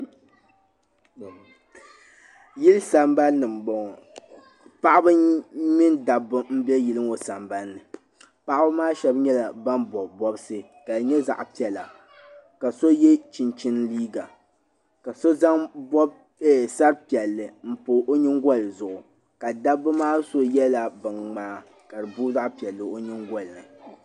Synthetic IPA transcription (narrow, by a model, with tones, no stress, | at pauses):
ji˦lsa˨mba˦lnɨ˨m̩˨bɔ˨ŋɔ˨ | pa˦ʔa˦bɨ˦mi˦nda˨bɨ˦m̩˦bɛ˦ji˦lɨ˦o˨sa˨mba˦nːɨ˨ | pa˦ʔa˦bɨ˦maː˦ʃɛ˦bɲɛ˦la˨ba˦nbɔ˨bɔ˦bsɨ˦ | ka˨dɲɛ˦za̰˨ʔpi˨ɛ˨la̰˨ | ka˨so˦jɛ˦t͡ʃi˨nt͡ʃi˦nliː˦ɡa˨ | ka˨so˦za˦ŋbɔ˦b̚ | sa˦ɾpi˨ɛ˨lːɨ˨m̩˦poː˨ʔo˦ɲɪ˦ŋɡʷɔ˦˨lzʊ˨ʔʊ˨ | ka˨da˦bːɨ˦maː˦so˦jɛ˦la˨bɨ˨nŋ͡maː˨˦ | ka˨dɨ˨bu˦za˦ʔpi˨ɛ˨lːɨ˨o˦ɲi˦ŋɡɔ˦˨lnɨ˨